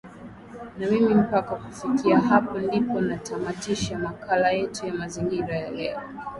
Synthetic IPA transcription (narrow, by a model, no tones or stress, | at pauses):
namimim̩pakakufikiaɦapɔndipɔnatamatiʃamakalajɛtujamaziŋɡiɾajalɛ̰ɔ